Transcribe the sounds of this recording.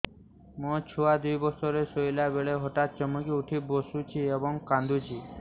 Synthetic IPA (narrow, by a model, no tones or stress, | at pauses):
mɔ̃t͡ʃʰuad̪ujbɔsɔɾesojlabeɭeɦɔʈat̪̚t͡ʃɔmukiuʈʰibosut͡ʃʰiebɔŋkãnd̪ʱut͡ʃʰi